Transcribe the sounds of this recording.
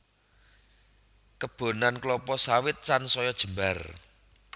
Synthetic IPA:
kəb̥o̤nanklɔpɔsawɪt̪̚sansɔjɔd̥ʒ̥ə̤mbar

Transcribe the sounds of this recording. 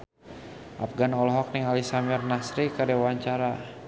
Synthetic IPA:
ʔa̰fɡanɔlɦɔk̚niŋalisamirnasɾikədɛwaɲt͡ʃaɾa

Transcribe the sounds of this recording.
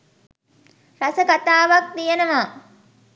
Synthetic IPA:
rasəkat̪aːʋak̚t̪ijenəʋa

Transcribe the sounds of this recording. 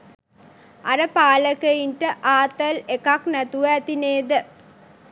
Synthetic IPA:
ɐɾɐpaːlɐkɐjinʈɐʔaːt̪ɐlekaːknɐt̪uʋat̪ineːd̪ɐ

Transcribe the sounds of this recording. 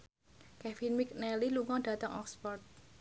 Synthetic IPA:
kɛfinmik̚nɛliluŋɔɖ̥ä̤t̪əŋɔ̰kspɔrt̪̚

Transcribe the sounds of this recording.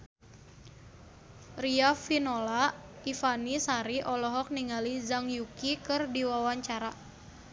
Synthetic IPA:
riafinola | ifanisaɾiʔɔlɔɦɔk̚niŋalizaŋjukikɨrdiwawaɲt͡ʃaɾa

